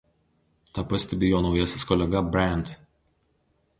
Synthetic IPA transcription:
t̪ɐpɐsʲt̪ʲɛbʲɪjoːnɒʊjɛsʲɪskɔlʲɛɡɐbʲɾʲæˑnʲt̪

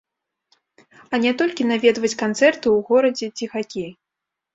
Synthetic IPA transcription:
ɐnʲɛt̪ɔlʲkʲin̪avʲɛd̪vɐt͡sʲkant̪sɛrt̪ɨwɣɔɾɐd͡zʲɛt͡sʲixakʲej

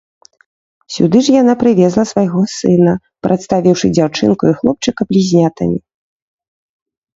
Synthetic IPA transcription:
sʲṵd̪ɨʐjanapɾɨvʲɛzlˠɐsvajɣɔsɨnɐ | pɾʔɐt̪st̪avʲiwʂɨd͡zʲawt͡ʂɨ̰nkuixlˠɔp̚t͡ʂɨkɐblʲizʲnʲat̪ɐ̰mʲi

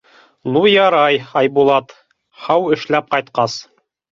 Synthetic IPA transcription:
nujɑɾɑjɑjbulˠɑt̪ | hɑwɘ̆ʃlæp̚qɑjt̪̚qɑs

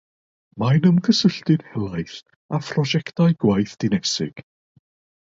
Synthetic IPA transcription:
manəmkʰəsəɬtɨd̥hɛlˠajθ | apʰrɔd͡ʒɛktajɡwajθd̥ɪnɛsɪ̰ɡ̥

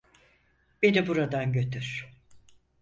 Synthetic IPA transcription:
be̞nibuɾad̪anɟø̞t̪ʰyɾ̥

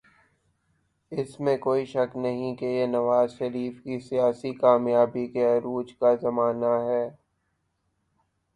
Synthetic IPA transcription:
ɪsmẽkoːiʃɐknɐɦĩkejenɐʋaːzʃɐɾiːfkisijaːsikaːmjaːbikeɐɾuːd͡ʒkazɐmaːnaɦɛː

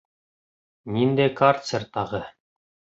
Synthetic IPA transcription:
nind̪æjkart̪sert̪ɑʁɤ

